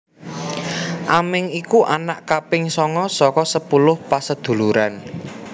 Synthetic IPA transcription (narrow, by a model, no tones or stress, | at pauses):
ʔamɪŋikuʔanaʔkapɪŋsɔŋɔsɔkɔsəpulʊhpasəd̪̥ṳluɾan